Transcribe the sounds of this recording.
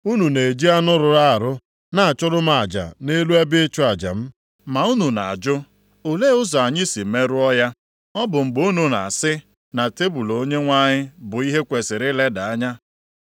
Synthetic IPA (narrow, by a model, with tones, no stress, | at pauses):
u˦nu˨ne˨d͡ʒi˦a˦nʊ˦ɾʊ˨ɾa˦a˨ɾʊ˦ | na˨a˨t͡ʃʊ˦ɾʊ˦m̩˦a˨d͡ʒa̰˨ne˦lu˦e˦bɪ˦ɪ˦t͡ʃʊ˦a˨d͡ʒa̰˨m̩˦ | ma˨u˦nu˨na˨a̰˨d͡ʒʊ˦ | o˨le˦ʊ˦zɔ˨a˨ɲɪ˦si˨me˦ɾʊ˦ɔ˦ja˦ | ɔ˦bʊ˨ŋ͡m̩˨ɡ͡bo˦nu˨na̰˨a˨sɪ˦ | na˨te˦bu˨lo˨o˦ɲe˦ŋʷa˦ɲɪ˦bʊ˨i˦ɦe˦kʷe˨sɪ˨ɾɪ˦le˦da˨a˦ɲa˦